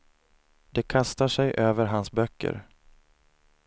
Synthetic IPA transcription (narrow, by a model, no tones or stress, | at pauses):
d̪̥ɛkʰast̪aʂɛjʔøːvəɾɦansbœkʰːə̰ɾ